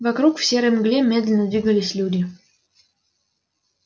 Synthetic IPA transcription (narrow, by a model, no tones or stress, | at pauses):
vakɾukfsʲeɾəmɡlʲemʲːed̪ʲlʲɪnəd̪vʲiɡəlʲɪsʲlʲudʲɪ